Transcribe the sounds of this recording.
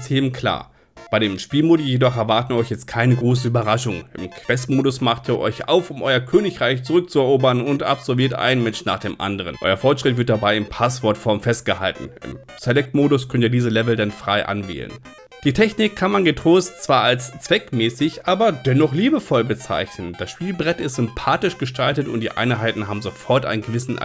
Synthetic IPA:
sheːm̩kʰl̥a̰ːɐ | b̥aɪɾeːmʃpiːlmoːdijedɔχɛɐvaɐtəiɔʏçjɛt͡st̚kʰaɪnəɡʁoːs̬əyːbɐʁaʃʊŋɪ̰mkʰv̥ɛstmoːɾʊsmaχtiːɐʔɔ̰ʏçʔa̰ʊfʊmʔɔʏɐkʰøːnɪçʁ̥aɪçt͡suʁʏk̚t͡suɛɐʔoːbɐnʊnta̰pz̥ɔɐviːɐtʔa̰ɪnmɛnʃna̰ːχd̥eːmʔa̰ndəʁ̞ə̰nʔɔ̰ʏɐfɔɐtʃʁ̥ɪtv̥ɪɐt̚d̥abaɪɪnpʰasv̥ɔɐtfɔɐmfɛst̚ɡ̥əha̰ltn̩ɪ̰m | z̥elɛk̚tmoːdʊskʰœntiːɐdiːzəlɛvl̩danfʁ̥aɪʔa̰nvɛ̰ːlə̰n | d̥iːtʰɛçnɪkkʰːanmanɡətʁ̥oːstt͡sv̥aːalst͡sv̥ɛkmɛːsɪçʔaːbɐdɛnɔχliːbəfɔlbət͡sa̰ɪçnənd̥asʃpiːlbʁɛtɪstz̥ʏmpʰaːtɪʃɡ̥əʃtʰaltətʊntd̥iːʔa̰ɪnɦaɪtn̩ɦaːbm̩zofɔɐtʔa̰ɪnənɡəvɪsn̩̰

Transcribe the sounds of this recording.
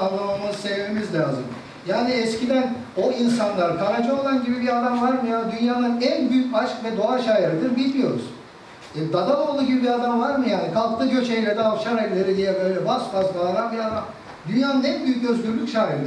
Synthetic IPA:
anlˠamamanɯsɛvmemizlʲaːzɯ̰m | jaːniɛscid̪æn | o̞insanlˠaɾkʰaɾad͡ʒɯo̞lˠanɟibibiad̪amvaɾmɯjaːnd̪ynjaːd̪ˠanænbyjycaʃkvɛd̪o̞aʃaːjiɾɯd̪ɯɾbilʲmijo̞ɾṵz̥ | ɛd̪ad̪ad̪ˠo̞ːlˠuːɟibibiɾad̪amvaɾmɯjaːnikʰalˠklˠɯɟʰø̞t͡ʃejlʲɛd̪ɛːfʃanelʲlʲeɾid̪ijɛbø̞jlʲɛbasfazlˠaːd̪ambiɾad̪am | d̪ynjaːnɯnænbyjyc̚ɟø̞zt̪ʰyɾlʲycʃaːjiɾɯd̪

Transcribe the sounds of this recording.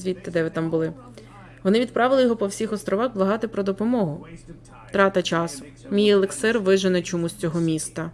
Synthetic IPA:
zʲʋʲit̪ːɪd̪ɛʋɪt̪ɑmbʊlˠɪ | ʋɔnɪʋʲid̪̚pɾɑʋɪlˠɪjɔɦɔpɔwsʲixɔst̪ɾʔɔʋɑxblˠɐɦɑt̪ɪpɾɔd̪ɔpɔmɔɦʊ | t̪ɾɑt̪ɐt͡ʃɑsʊ̥ | mʲijɐlˠeksɪrʋɪʒɪnɛt͡ʃɔmusʲt͡sʲɔɦɔmʲist̪ɐ

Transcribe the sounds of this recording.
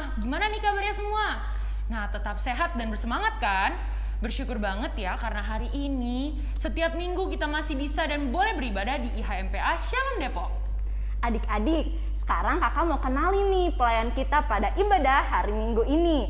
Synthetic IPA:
hɡimananikabarjasəmua | naht̪ət̪ap̚seɦat̪̚danbərsəmaŋat̪̚kan | bərʃukʊrbaŋət̪jakarənaɦaɾiʔini | sət̪iap̚miŋɡukit̪amasɪhbisadanbolɛhbəɾibadadiːɦaɛmpeʔaʃamdepɔʔ̚ | ʔadɪkadɪk̚ | sə̥kaɾaŋkakamaukənalinipəlajankit̪apadaʔibadaaɾimiŋɡuini

